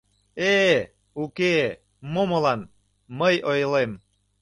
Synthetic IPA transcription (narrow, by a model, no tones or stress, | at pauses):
e | uke | momolɑn | məjojlem